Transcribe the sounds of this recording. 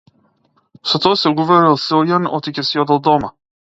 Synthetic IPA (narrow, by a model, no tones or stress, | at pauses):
sat̪ɔasɛɡuvɔɾilˠsɛɔjanɔt̪icɛsiɔd̪alˠd̪ɔma